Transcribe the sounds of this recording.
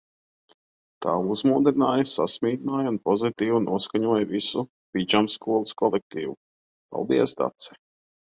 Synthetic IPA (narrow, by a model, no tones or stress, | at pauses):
t̪ʰaːuzmuːd̪ɾinaːjasasmiːd̪naːjaunpɔzit̪iːvunuɔskaɲuɔjvisu | pʲid͡ʒamskuɔlˠuskɔlˠɛk̚t̪iːvu | pa̰lˠd̪iɛsd̪a̰t̪sɛ̥